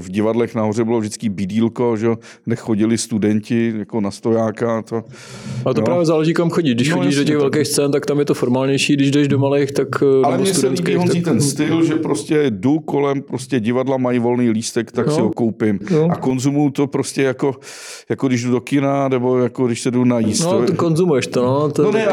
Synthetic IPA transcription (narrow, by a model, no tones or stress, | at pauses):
vɟɪvadlɛxnaɦor̝ɛbɪlovʒdɪt͡skibɪdiːlkoʒɛjo | nɛxoɟɪlɪst̪udɛɲcɪjakonast̪ojaːkat̪o | at̪opɾaːvjɛzaːlɛʒiːkamxoɟiʃdɪʃnxoiːʒdoɛɣvɛlkejxst͡sɛːnt̪akt̪amjɛt̪ofoɾmaːlɲɛjʃiːdɪʒdɛʃdomalejxt̪akalɛmɲɛsɛlioniːt̪ɛnst̪ɪlʒɛpɾoscɛduko̞lɛmpɾoscʲɛɟɪvadlamajvo̞lniːliːst̪ɛkt̪aksɪɦokowpɪmako̞nzumujut̪o̞pɾoscɛjako̞ | jakodɪʒdudo̞kɪnanɛbo̞jakodɪʃsɛdunajisnkonzumujɛʃt̪onot̪nonɛ